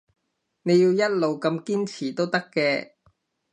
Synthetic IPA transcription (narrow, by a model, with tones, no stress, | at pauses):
ne˨˧jiː˧wjɐ˥t̚lo˨wkɐ˧mkiː˥nt͡sʰiː˨˩t̪o˥wt̪ɐ˥kːɛː˧